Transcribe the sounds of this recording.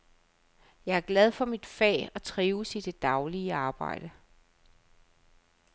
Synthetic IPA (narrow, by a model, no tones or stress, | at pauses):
jɑ̈ɪæɐɡ̥lɛð̞ˠfɒ̽mid̥fɛ̰ːɒt͡sʰʁiːʊsid̥e̝d̥ɑ̈ʊliəɑ̈ːb̥ɑ̈ɪ̰d̥ə